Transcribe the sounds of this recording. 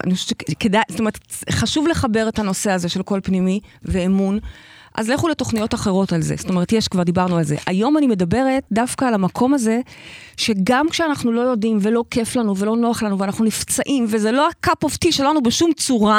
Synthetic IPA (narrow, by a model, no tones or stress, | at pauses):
a̰niχoʃe̥t͡ʃekedajstome̞ettχaʃuvle̞χabe̞ʁetano̞se̞azeʃe̞lko̞lpnimiveːmun | ʔa̰zleχule̞to̞χnijo̞taχeʁo̞talzḛstome̞etjeʃkvaʁd̪ibaʁnualze̞̰ʔajo̞manime̞dabe̞ʁetdafkaːlamakʰo̞maze̞ʃe̞ɡamkʃeanaχnulo̞jo̞dimve̞lo̞ke̞flanuvelo̞no̞aχlanuveanaχnunift͡saʔimvezelo̞akapoftiʃeloanubeʃumt͡suʁa